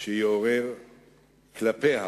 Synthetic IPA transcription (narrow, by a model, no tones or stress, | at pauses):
ʃejooʁeʁ | klapeha̰